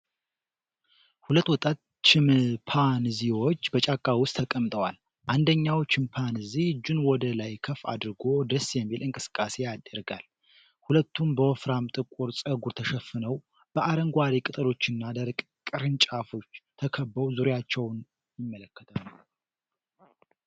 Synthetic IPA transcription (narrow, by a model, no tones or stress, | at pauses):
hulət̪ːwɔt̪ʼat̪ | t͡ʃɪmpʰanziwo̞t͡ʃːbət͡ʃʼakʼːawʊst̪ʰːəkʼəmt̪ʼəwal | ʔand̪əɲːawt͡ʃɪmpʰanɨzid͡ʒunwɔd̪əlajkʰəfa̰d̪ɾɨɡo̞d̪əsjɛmːilɨŋkʼɨ̥sɨ̥kʼːase̞jad̪əɾɡa̰l | hulət̪ːumbəwɔfɾamt̪ʼɨkʼːuɾsʼəɡuɾt̪ʰəʃəfːɨnəw | b̥əʔaɾəŋɡʷaɾikʼɨt̪ʼəlo̞t͡ʃːɨnːad̪əɾkʼ | kʼɨɾɨnt͡ʃʼafo̞t͡ʃːt̪ʰəkʰəbːəwzuɾjat͡ʃːɛwn | jɪmːələkːət̪ʰan